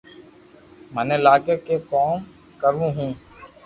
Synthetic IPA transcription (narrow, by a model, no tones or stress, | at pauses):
mənẽːlaːkeːkeːkoːm | kəɾʋũːɦũː